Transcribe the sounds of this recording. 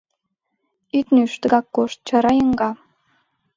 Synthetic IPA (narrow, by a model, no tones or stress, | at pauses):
yt̪nyʃt̪ə̆ɡɑkːoʃt̪̚t͡ɕɑɾɑjəŋɡɑ